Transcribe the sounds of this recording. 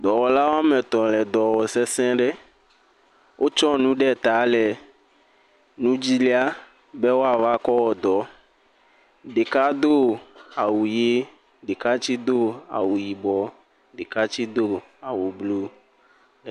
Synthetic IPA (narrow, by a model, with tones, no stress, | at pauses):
d̪ɔ˨wɔ˨la˦wo˦a˦mɛ̃˨t̪ɔ̃˨lɛ˨d̪ɔ˨wɔ˨sɛ˦sɛ̃˦ɖɛ˦ | wʔo˦t͡ʃɔ˦nũ˦ɖɛ˦˨t̪a˨˦lɛ˨ | nũ˦d͡ʑi˦li˦a˦ | be˦wo˦a˨va˦kɔ˦wɔ˨d̪ɔ˨ | ɖe˨ka˦d̪o˦a˨wu˨je˦ | ɖe˨ka˦t͡ɕi˦d̪o˦a̰˨wu˨ji˨bɔ˨ | ɖe˨ka˦t͡ɕi˦d̪o˦ | a˨wu˨blu˦˨